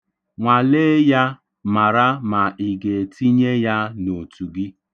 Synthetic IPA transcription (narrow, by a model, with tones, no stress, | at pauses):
ŋʷa˨le˦ja˦ | ma˨ɾa˦ma˨ɪ˨ɡe˨tʰi˦ɲe˦ja˦no˨tu˨ɡɪ˦